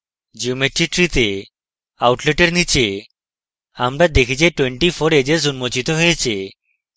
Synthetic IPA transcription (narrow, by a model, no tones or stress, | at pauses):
d͡ʒiumeʈɾiʈɾit̪e | awʈleʈeɾnit͡ʃe | amɾad̪ekʰit͡ʃeʈweɳʈifʰoɾed͡ʑeɾzunmot͡ɕit̪oɦojet͡ɕʰe